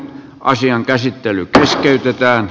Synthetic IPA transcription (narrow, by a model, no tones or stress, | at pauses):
ʔɑ̰siɑŋkæsit̪ːelykeskeyt̪et̪æːn